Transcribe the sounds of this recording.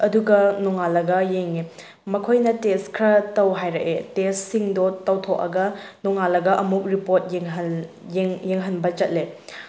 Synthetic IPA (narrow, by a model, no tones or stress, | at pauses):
ɐduɡɐnɔŋalɐɡɐjeŋi | mɐkʰojnɐteskʰɾɐtɐwɦajɾɐʔetessiŋdotɐwtʰok̚ɐ̰ɡɐnɔŋalɐɡɐʔɐmuk̚ɾipoɾt̚jeŋɦɐ | jeŋjeŋɦɐnbɐt͡ʃɐt̚le